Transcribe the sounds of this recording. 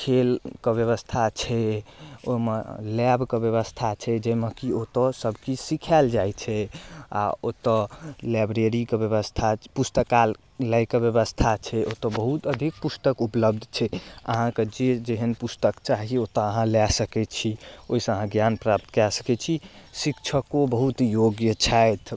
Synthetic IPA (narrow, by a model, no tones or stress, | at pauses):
kʰelkebjəβəst̪ʰat͡ʃʰɛomḛlɛbkebjeβəst̪ʰat͡ʃʰɛd͡ʒemekiot̪ɔsəbʱkisikʰald͡ʒajt͡ʃʰɛa̰ot̪ɔlabɾeɾikebjəβəst̪ʰapust̪əkal | lajkebjəβəst̪ʰat͡ʃʰɛʔot̪ɔbəɦut̪əd̪ʱik̚pust̪əkupləbd̪ʱt͡ʃʰɛə̰ɦãked͡ʒed͡ʒeɦənpust̪əkt͡ʃaɦiot̪əəɦãlɛsəkɛt͡ʃʰioɦisə̃əɦãɡjanpɾap̚t̪kɛsə̥kɛt͡ʃʰisikt͡ʃʰəkobəɦut̪joɡjət͡ʃʰajt̪ʰ